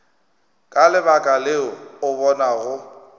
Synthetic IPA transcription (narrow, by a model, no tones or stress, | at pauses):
kʼalɪbakʼalɪɔʊbɔnaɣʊ